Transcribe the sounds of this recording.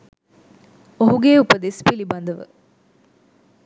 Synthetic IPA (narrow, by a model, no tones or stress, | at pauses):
oɦuɡeːupəd̪espilibɐnd̪əʋə̰